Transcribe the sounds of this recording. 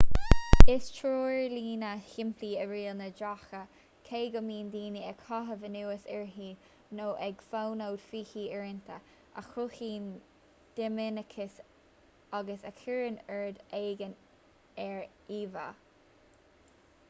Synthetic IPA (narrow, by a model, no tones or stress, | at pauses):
ɪst͡ʃʰɹoːɪɹliːnəhɪmpʰliːəɹiːlnədɹaxə | kʰeːɡəmiːnd̪iːniɛkʰɑɦəvənuːəsɛɹɦiː | noːʔɛɡfawnowd̪fiːhiːɛɹɪnt̪ʰə | ʔa̰xʊxiːn | d̪̥ɪmɪnəkʰɪs | aɡəsəkʰiɹənɛɹd̪eːɡən | ɛɹ | iːva̰